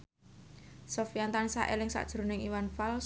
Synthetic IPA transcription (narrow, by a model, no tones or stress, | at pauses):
sofijant̪ansaʔelɪŋsa̰ʔd̥ʒ̥ɾo̤nɪŋiwanfals